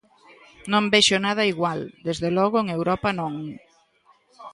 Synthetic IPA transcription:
nõmbeʃʊnað̞ɐiɣwald̪ezðelɔɣʊeŋewɾɔpɐnõŋ

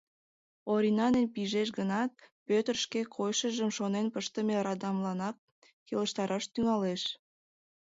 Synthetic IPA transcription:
oɾʲinɑnenpiʒeʃ̬ɣənɑt̪̚pøt̪ərʃkekʰojʃəʒəmʃonenpəʃt̪əmerɑd̪ɑmlɑnɑkː | eləʃt̪ɑɾɑʃt̪yŋɑleʃ

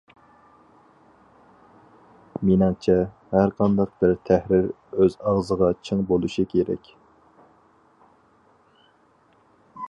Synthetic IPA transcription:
minɑŋt͡ʃʰɛ | hæɾqʰɑnd̪ɑq̚b̥ɪɾt̪ʰæhɾɪɾ | øzɑʁzəʁɑt͡ʃʰɨŋbolˠuʃikʲʰeɾɛ̰kʲ

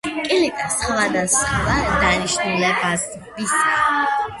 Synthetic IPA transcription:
kʼilikʼasʼχvad̪asχavad̪aniʃnulɛbaz | bisa

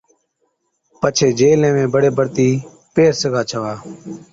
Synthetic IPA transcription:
pət͡ʃʰeːd͡ʒeːlẽːmẽːbəɽeːbəɾt̪iː | peːɾsəɡʱaːt͡ʃʰəʋaː

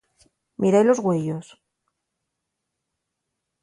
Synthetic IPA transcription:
mʔiɾajlo̞zɣweʎo̞s

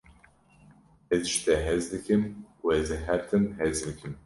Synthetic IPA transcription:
ɛzʃt̪ɛɦɛzd̪ɨkʰɨmuɛzɨɦɛɾt̪ʰɨmhɛzd̪ɨkʰɨm

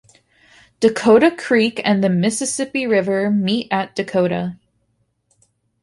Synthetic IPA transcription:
d̥ɨkʰoʊɾɨkʰɹ̥ikɨ̃nðɨmɪsɨsɪpiɹɪvə˞miɾʔɨt̚d̥ɨkʰoʊɾɨ̰

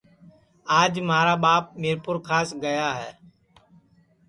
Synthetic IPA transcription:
aːd͡ʒmaːɾaːɓaːp̚mɪːɾpʊɾkʰaːsɡəjaːɦɛː

